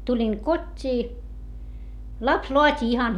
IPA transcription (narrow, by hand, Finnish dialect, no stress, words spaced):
tulʲiŋ kotʲːiː lɑps loɑtʲi ihɑn